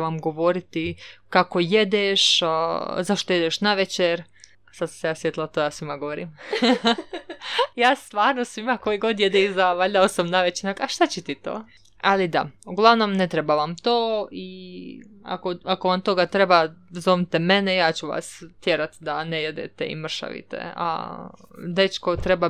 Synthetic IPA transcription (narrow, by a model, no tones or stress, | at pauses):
ʋamɡo̞ʋo̞ɾit̪ikako̞je̞d̪eʃ | zaʃt̪oje̞d̪eʃnaʋet͡ɕeɾ | sad̪su̥sejaːsʋjet̪ilˠat̪ojaːsʋimaɡoʋoɾim | jaːst̪ʋaːɾnosʋimako̞iɡo̞d̪jed̪eizaʋaʎd̪aosamnaʋet͡ɕenakaʃt̪at͡ɕɛt̪it̪o̰ː | alid̪a̰uɡlˠaʋno̞mnet̪ɾebaʋamt̪oːi | a̰koakoʋamt̪o̞ɡat̪ɾe̞bazomit̪eme̞nejaːt͡ɕuʋa̰st̪jeɾat̪d̪aneje̞d̪ḛt̪ḛḭmr̩ʃa̰ʋḭt̪ḛa̰ | d̪e̞t͡ʃko̞t̪ɾeba